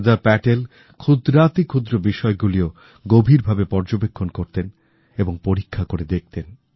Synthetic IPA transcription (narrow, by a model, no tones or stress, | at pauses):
d̪apɛʈel | kʰud̪ɾat̪ikʰod̪ɾobiʃɔeɡulio | ɡobʱiɾbʱabepɔɾd͡ʑobekʰːonkoɾt̪en | eboŋpoɾikʰːakoɾed̪ek̚t̪en